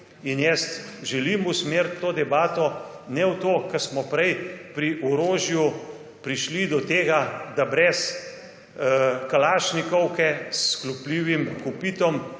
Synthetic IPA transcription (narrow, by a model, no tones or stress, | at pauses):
injɛst̪ʒɛlimusmeːɾt̪ːoːd̪ɛbaːt̪ɔ | nɛwt̪oːkɐɾsmɔpɾɛjpɾiʔɔɾoːʒju | pɾiʃlid̪ɔt̪eːɡad̪abɾɛs | kalaːʃnikɔwkɛsklupliʋimkupiːt̪ɔm